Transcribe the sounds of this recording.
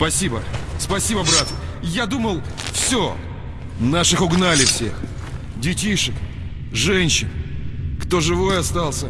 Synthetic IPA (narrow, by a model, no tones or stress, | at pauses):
pɐsʲibəspɐsʲibəbɾat̪jad̪uməlˠ | fsʲo | naʂɨxʊɡnalʲɪfsʲe̞x | dʲɪtʲiʂɨk | ʐɛnʲɕɪnkt̪o̞ʐɨvo̞jɐst̪alˠsʲə